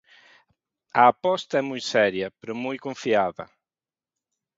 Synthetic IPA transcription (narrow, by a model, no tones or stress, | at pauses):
ɐːpɔst̪ɐɛmujsɛɾjɐpeɾʊmujkõɱfiaðɐ̰